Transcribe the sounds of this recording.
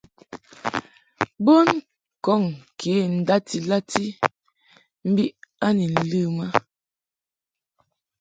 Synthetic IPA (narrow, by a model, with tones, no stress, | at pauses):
bo˦n | kɔ˦˨ŋkʰe˦˨n̩˨da˦ti˨la˦ti˦ | m̩˦bi˦ʔa˦ni˨n̩˨lɨ˦ma˦